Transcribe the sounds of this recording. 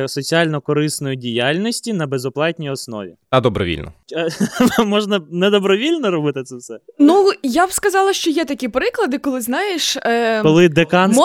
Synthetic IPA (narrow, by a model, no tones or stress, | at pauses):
sɔt͡sʲiɑlʲnɔkɔɾɪsnɔjʊdʲijalʲnʲɔsʲtʲinɐbezɔplˠɑtʲnʲijɔsnɔ̰ʋʲḭɐd̪ɔbɾɔ̰ʋʲḭlʲnɔ̰ | mɔʒnɐnɛd̪ɔbɾɔʋʲilʲnɔɾɔbɪt̪ɪt̪sɛwsɛnujabskɐzɑlˠɐʃt͡ʃɔjɛt̪ɐkʲipɾɪklˠɐd̪ɪkɔlˠɪznɑjɪʃkɔlˠɪd̪ekɑn